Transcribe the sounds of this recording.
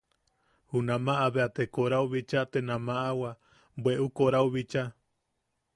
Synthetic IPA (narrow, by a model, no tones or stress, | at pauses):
hunãmãʔaβeat̪ekoɾauβit͡ʃat̪enãmãʔawa | bweʔukoɾauβit͡ʃa